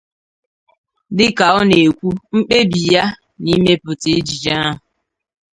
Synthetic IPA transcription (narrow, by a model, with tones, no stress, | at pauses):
dɪ˦ka˨ɔ˦ne˨kʷu˦ŋ͡m̩˦k͡pe˦bi˨ja˦ | ni˦me˦pʊ˨ti˦d͡ʒi˨d͡ʒa˦a˦ɦʊ˨